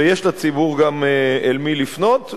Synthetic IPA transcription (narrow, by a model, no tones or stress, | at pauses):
ejeʃlat͡sibuʁɡameelmilifno̞t